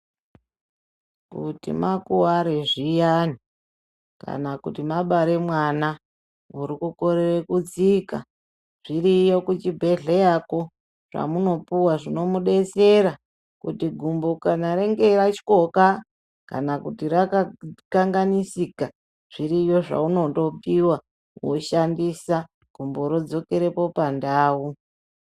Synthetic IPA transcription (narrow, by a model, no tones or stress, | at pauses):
kutḭmakuwaɾeʐijani | ka̰nakutimaɓaɾe̞mwana | uɾikukoɾerekut͡sika̰ | ʐ̥irijo̞kut͡ʃibʱe̞ɮejako | ʐ̥a̰muno̞puwaʐino̞muɗe̞se̞ɾa | kutiɡʱumbokanaɾe̞ŋɡe̞ɾat͡ʃi̥ko̞ka | ka̰nakutiɾakakaŋɡanisika | ʐ̥iɾijo̞ʐa̰uno̞to̞piwa | woʃandisa | ɡ̥ʱumboɾod͡zo̞ke̞ɾe̞po̞pandaːwu